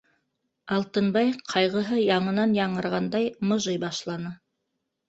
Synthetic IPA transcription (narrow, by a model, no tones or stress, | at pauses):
ɑlˠt̪ɤnbɑjqʰɑjʁɤ̆ɦɤjɑɴɤ̆nɑnjɑɴɤ̆ɾʁɑnd̪ɑjmŏʒɤjbɑʃlˠɑnɤ